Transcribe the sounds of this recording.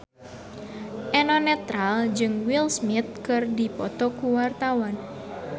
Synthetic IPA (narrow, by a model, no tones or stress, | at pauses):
ʔɛnɔnɛt̪ɾald͡ʒɨŋwilsmɪt̪̚kɨrdipɔt̪ɔkuwart̪awɔn